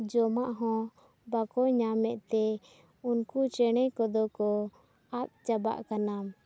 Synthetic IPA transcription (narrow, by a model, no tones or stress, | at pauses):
d͡ʒɔmaʔɦɔ̃ | bakɔɲamɛʔt̪ɛ | unkut͡ʃɛɽ̃ɛkɔd̪ɔkɔ | at̪̚t͡ʃaba̰ʔkanam